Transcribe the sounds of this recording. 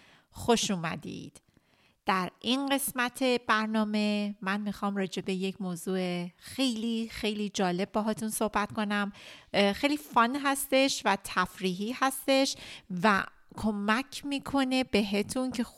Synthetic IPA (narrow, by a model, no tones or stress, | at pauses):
xo̞ʃuːmæ̰d̪ḭːd̪̥ | d̪̥æɾinɢe̞smæt̪ʰe̞b̥æɾnɒːme̞mænmiːxɒːmrɒːd͡ʒe̞be̞je̞cʰmoːzuːexe̞jliːxe̞jliːd͡ʒɒːle̞b̚ːɒːɦɒːt̪ʰunso̞hbæt̪ko̞næmxejliːfɒnɦæst̪e̞ʃvæt̪ʰæfɾiːɦiːhæst̪e̞ʃvæ̰ | kʰo̞mæcʰmiːkʰo̞ne̞be̞ɦet̪ʰuncʰe̞